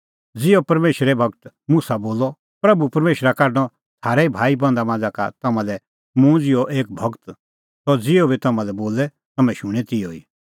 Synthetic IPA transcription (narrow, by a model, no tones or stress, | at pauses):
d͡zɪopɐɾmeːʃɾɛbʱɐɡt̪ | musaboːlɔ | pɾɐbupɐɾmeːʃɾakɐɾñɔ | t̪ʰaːɾɛibʱaːibɐ̃nd̪amãːd͡zaka̰t̪ɐmãlɛ | mũd͡zɪɔʔeːk̚bʱɐɡt̪ | t̪ɔd͡zɪobit̪ɐmãlɛboːlɛ | t̪ɐmɛ̃ʃʊɽ̃ɛt̪ɪoi